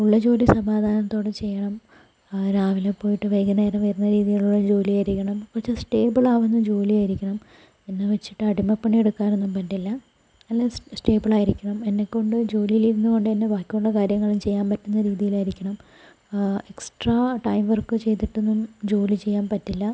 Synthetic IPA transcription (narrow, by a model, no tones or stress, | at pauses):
uɭːɐd͡ʑo̞ːlisɐmaːd̪ʱaːnɐt̪ːo̞ːɽet͡ɕe̞jːɐɳɐm | ɾaːʋilepːo̞ːjiʈːɨʋɐjɡɐnejɾɐʋɐjɐɾunːɐɾiːðijiɭuɭːɐd͡ʑo̞ːlijaːjiɾikʲːɐɳɐmkurɐt͡ɕːesʈe̞ːbiɭaːʋenːɨmd͡ʑo̞ːlijaːjiɾikʲːɐɳɐm | enːeʋet͡ɕːiʈːɨɐɽimːɐpːɐɳːieɽukːaːne̞nːumpɐndilːɐ | ɐlːesʈe̞ːbiɭaːjiɾikʲːɐɳɐme̞nːe̞kːo̞ɳɖɨd͡ʑo̞ːlijiliɾunːuko̞ɳɖɨenːebaːkʲːuuɭːɐkaːɾjɐŋːɐɭumt͡ɕe̞jːaːnpɐtːunːɐɾiːðijilaːjiɾikʲːɐɳɐm | eksʈraʈɐjmʋɐrkɨt͡ɕe̞jt̪iʈːenːumd͡ʑo̞ːlit͡ɕejːaːnpɐtːilːɐ